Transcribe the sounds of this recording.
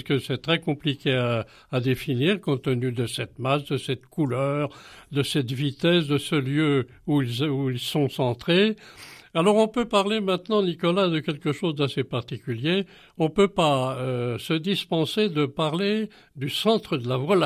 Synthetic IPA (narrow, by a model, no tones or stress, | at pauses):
skəsɛt̪χɛkɔ̃plikʲeaː | d̪efiniʁkɔ̃t̪ənyd̪əsɛt̪masd̪əsɛt̪kulœʁd̪əsɛt̪vit̪ɛsd̪əsəljø | uilzuilsɔ̃sɑ̃t̪χe | alɔʁɔ̃pøpaʁlemɛ̃t̪nɑ̃nikɔlad̪əkʲɛlkəʃozd̪asepaʁt̪ikʲylje | ɔ̃pøpaøsəd̪ispɑ̃sed̪əpaʁle | d̪ysɑ̃t̪χəd̪əlavwal